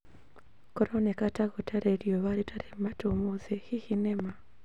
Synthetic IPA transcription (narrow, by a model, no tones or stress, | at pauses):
koɾonekataɣotaɾeɾioβaɾitʰaɾematumuzehihinema